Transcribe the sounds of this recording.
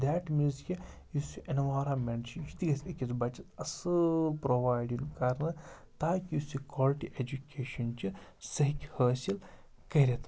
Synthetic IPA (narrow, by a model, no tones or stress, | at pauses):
d̪ɛːʈmizkʲi | jusuʔɐnʋaːɾaːmeɳt͡ʃʰit͡ʃi̥t̪iɡɐsekʲizbɐt͡ʃɐt̪ɐsɨlpɾoʋaːjɖiŋkɐɾnɨ | t̪aːkijusukwaːlʈiʔed͡ʒukʲeːʃɐnt͡ʃisɐɦikʲhəːsil | kɐɦiɾʲet̪